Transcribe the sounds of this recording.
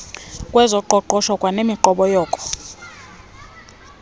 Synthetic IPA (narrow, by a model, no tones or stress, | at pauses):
kʼwɛzɔǃɔǃɔʃɔkʼwanemiǃɔɓɔjɔːkʼɔ̥